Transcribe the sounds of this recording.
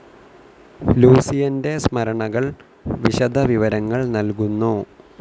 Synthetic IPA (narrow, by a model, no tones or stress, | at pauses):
luːsijɐnde̞smɐɾɐɳɐɣɐɭ | ʋiɕɐd̪ʱɐʋiʋɐɾɐŋːɐɭnɐlkunːoː